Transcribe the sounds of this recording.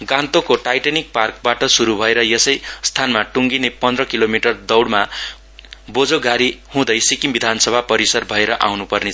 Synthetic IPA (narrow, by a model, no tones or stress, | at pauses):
ɡãnt̪okoʈajʈanik̚park̚baʈʌsuɾubʱʌeɾʌjʌsʌjst̪ʰanmaʈuŋɡinepʌnd̪rʌkilomiʈʌrd̪ʌwɽma | bod͡zoɡaɾihũd̪ʌjsikimbid̪ʱansʌbʱapʌɾisʌrbʱʌeɾʌʔa̰wnupʌrne